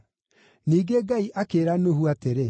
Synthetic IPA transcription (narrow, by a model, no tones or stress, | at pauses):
niːɡeɡaiʔakeːɾanohuateɾe